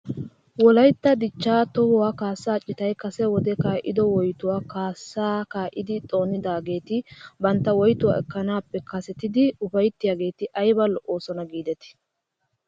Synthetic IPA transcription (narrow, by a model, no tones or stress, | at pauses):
wɔlɐjt̪ːɐd̪ɪt͡ʃːaːt̪ɔhɔwaːkaːsːaːt͡ʃʼːɪt̪ɐjkɐsɛwɔd̪ɛkaːʔɪd̪ɔwɔjt̪ʊwaːkaːsːaːkaːʔɪd̪ɪt̪ʼo̞ːnɪd̪aːɡe̞ːt̪ɪbɐnt̪ːɐwɔjt̪ʊwa̰ːɛkːɐnaːpːɛkɐsɛt̪ɪd̪ɪʊfɐjt̪ːɪjaːɡe̞ːt̪ɪʔɐjbɐlɔʔoːsɔnɐɡiːd̪ɛt̪ɪ̥